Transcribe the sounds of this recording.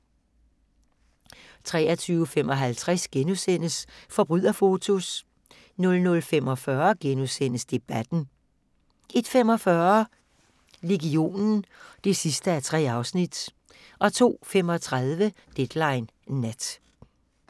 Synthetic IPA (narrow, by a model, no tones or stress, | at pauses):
t͡sʰʁɛ̰ːɐt͡sʰyːʊəfemɒ̽ɦælt͡sʰʁasɡ̥enusen̰əsfɒ̽b̥ʁyð̰ˠɐfo̝t͡sʰo̝s | nɔ̽lnɔ̽lfemɒ̽fɶɐɡ̥enusen̰əsd̥e̝b̥æd̥n̩ | e̝d̥fem̰ɒ̽fɶɐ | le̝ɡio̝̰ːnn̩d̥e̝sisd̥əæt͡sʰʁɛ̰ːɑ̈ʊsnid̥ | ʔɒ̽t͡sʰo̝̰ːfem̰ɒ̽t͡sʰʁað̞ˠʋə | d̥ed̥lɑ̈ɪnː | æd̥